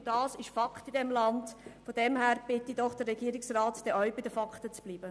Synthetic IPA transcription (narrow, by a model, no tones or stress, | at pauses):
d̥ɑːsɪʃfɑktidɛmlɑndfodɛmhæːɾb̥ɪtːid̥ɔχd̥ərːɛɡiːəɾɪksrɑːtd̥ɛʔœʏbɪdəfɑktət͡sb̥liːbə